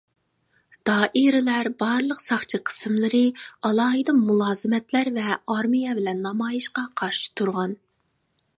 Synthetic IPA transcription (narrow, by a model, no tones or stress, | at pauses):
d̪̥ɑːʔiɾɪlæɾbɑɾlˠəqsɑχt͡ʃʰiqʰə̥sɨmlˠɨɾɨɑlˠɑːɦɨd̪ɑmmulˠɑːzɨmɛt̪læɾvɛɑɾmijɛbɪlɛnːɑmɑːjiʃqɑqʰɑɾʃi̥t̪ʰuɾʁɑn